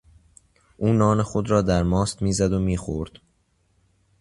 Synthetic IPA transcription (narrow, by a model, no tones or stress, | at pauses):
ʔuːnɒːne̞xod̪ɾɒːd̪æɾmɒːst̪miːzæd̪omiːxoɾd̪̥